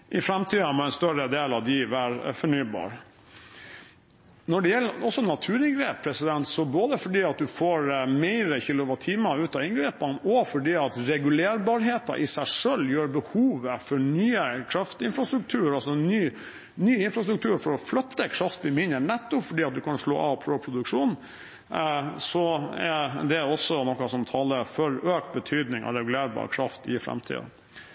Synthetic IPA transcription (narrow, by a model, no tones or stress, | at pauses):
ʔɪfɾɛmt̪ʰiːɑmɔæɪnst̪œɾəd̪eːlɑʋd̪iʋæːɾfɔɳyːbɑ̰ːɾ | nɔɖɛjɛlːəɔsːɔnɑt̪ʰʉːɾɪnɡɾeːpʰːɾɛsɪd̪ɛnt̪sɔboːd̪əfɔɖiːɑt̪̚d̪ʉfoːɾmæɪɾəçɪːlʊʋɑt̪ʰiːmɑʉːt̪ɑːɪŋɡɾeːpənɔfɔɖiːɑt̪ɾɛɡʉleːɾbɑːɾɦeːt̪ɑ̰ʔɪsæɪʂœljøːɾbəhuːʋəfɔɾɳyːəkʰɾɑft̪ɪnfɾɑst̪ɾʉk̚t̪ʰʉːəɾɑlsɔnyː | nyːɪnfɾɑst̪ɾʉk̚t̪ʰʉːɾfɔɾɔflœt̪ːəkʰɾɑft̪bɪmɪnəɳɛt̪ːʊpfɔɖiːɑt̪̚d̪ʉkʰɑnʂlo̰ːɑʋpʰɾoːpʰɾʊd̪ʉkʂuːn | sɔɛd̪ɛæɾɔsːɔnɔkːɑsɔmt̪ʰɑːləfɔɾøːk̚t̪̚bət̪ʰyːd̪nɪŋɑ̰ʋɾɛɡʉleːɾbɑ̰ːɾə̰kʰɾɑft̪ɪfɾɛ̰mt̪ʰḭːd̪̰